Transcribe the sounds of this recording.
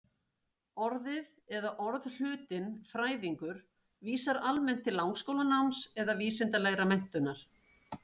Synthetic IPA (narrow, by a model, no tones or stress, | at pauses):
ɔɾðɪð | ɛðaʔɔɾðl̥ʏːt̪ɪnfɾaːjðiŋkʏɾ̥ | viːsaɾalmɛn̥t̪ʰːɪlːawŋkskowlanawmsɛðaviːsɪnt̪alɛɣɾamɛn̥t̪ʏnːaɾ̥